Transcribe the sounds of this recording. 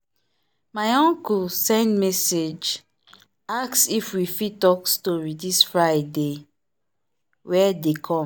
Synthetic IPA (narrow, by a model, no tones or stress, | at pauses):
majɔ̃ŋkulsɛ̃ndmɛsed͡ʒ | aksifwifitɔkstɔɹidisfɹajde | wɛdekʰɔ̃m